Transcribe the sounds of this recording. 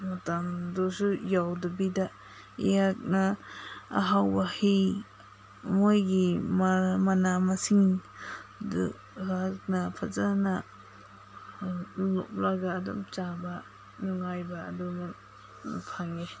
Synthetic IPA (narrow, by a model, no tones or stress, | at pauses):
matamdusujawdubida | ḭjak̚naa̰ɦawbahi | mojɡimamanamasiŋ | dṵ | ak̚napʰazana | lɔ̰p̚laɡaːdṵmt͡ʃaba | nɔŋajbaːduma | napʰaŋe